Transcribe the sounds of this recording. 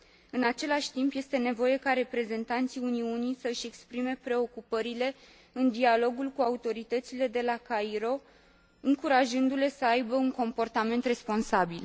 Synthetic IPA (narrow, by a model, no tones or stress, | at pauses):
ɨnat͡ʃe̞laʃʲt̪impje̞st̪e̞ne̞vo̞je̞kaɾe̞pɾe̞ze̞nt̪ant̪siuniunisəɨʃʲe̞kspɾime̞pɾe̞o̞kupəɾile̞ | ɨnd̪ialo̞ɡulkuaut̪o̞ɾit̪ət̪sile̞d̪e̞lakaiɾo̞ | ɨŋkuɾaʒɨnd̪ule̞səajbəuŋko̞mpo̞rt̪ame̞nt̪re̞spo̞nsabil